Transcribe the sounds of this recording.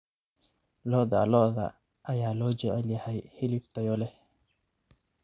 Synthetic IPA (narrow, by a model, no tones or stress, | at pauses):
lɔːðɐlɔːðɐ̰ | ʔɐjaːlɔːd͡ʒɛʕɛljɐhɛjhɪlɪb̚t̪ʰɐjɔlɛ